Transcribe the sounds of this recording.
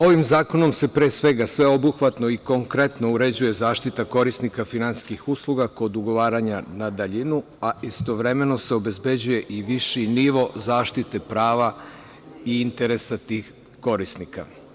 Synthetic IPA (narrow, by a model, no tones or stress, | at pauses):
o̞ʋimzaːko̞no̞mse̞pɾeːsʋe̞ɡasʋe̞o̞buxʋat̪no̞iko̞ŋkɾe̞t̪no̞uɾe̞d͡ʑuje̞zaːʃt̪it̪ako̞ɾisnikafinanskixuslˠuɡako̞d̪uɡo̞ʋaːɾaɲanad̪aʎinu | aist̪o̞ʋɾe̞me̞no̞se̞o̞be̞zbe̞d͡ʑuje̞ʔiʋiʃiniʋo̞zaːʃt̪it̪e̞pɾaːʋa | iint̪e̞ɾe̞sat̪iːx | kːo̞ɾisnika̰